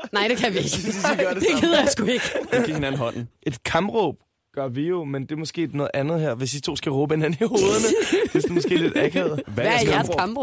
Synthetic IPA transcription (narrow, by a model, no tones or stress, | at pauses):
nɑ̈ɪ̰d̥ekʰæjʋieɡ̥sɶɐdd̥eɡ̥eðˠɐjasɡ̥ue̝ɡ̥ə̥ɡ̥ihenæn̩ɦɒ̽n̰n̩ʔe̝d̥kʰɑ̈mb̥ʁɔ̰ːb̥̚ | ɡ̥ɶɐʋijo̝mend̥e̝ɐmɒ̽sɡ̥e̝̰ːnɔ̽ːð̩ˠʔænð̩ˠheɐ̰ʋe̝sd̥it͡sʰo̝̰ːsɡ̥æʁɔ̽ːb̥əe̝næn̩iho̝ːð̞ˠənəd̥e̝sd̥emɒ̽sɡe̝̰ːle̝d̥ækʰeð̩ˠʋæææɐjæɐskʰɑmʁɔ